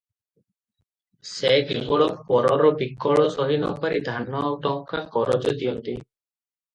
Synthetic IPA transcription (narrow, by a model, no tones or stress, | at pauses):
sekebɔɭɔpɔɾɔɾɔbikɔɭɔsɔɦinɔ̰paɾid̪ʱanɔʈɔŋkakɔɾɔd͡ʒɔd̪iɔnt̪i